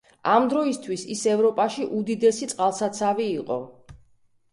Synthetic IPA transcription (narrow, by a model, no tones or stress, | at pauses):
amd̪ɾɔist̪ʰwisisɛvɾɔpʼaʃiʔud̪id̪ɛsit̪sʼqʼalˠsat̪sʰaviːqʼɔ